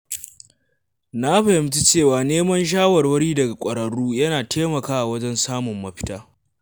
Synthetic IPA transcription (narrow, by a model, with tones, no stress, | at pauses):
na˦ɸɐ˨hɪ˨mt͡ʃi˦t͡ʃeː˦˨waː˨neː˦mɐ˦nʃ̬aː˦wɐ˨rwɐ˦ɽiː˦dɐ˨ɡa˨kʷʼɐ˨ɾɐ˨ɽuː˦jɐ˦naː˨tʰeː˦mɐ˨kaː˦ʔa˨wɐ˦d͡ʒɛ˦nsaː˦mʊ˨mːɐ˦ɸɪ̥˦taː˦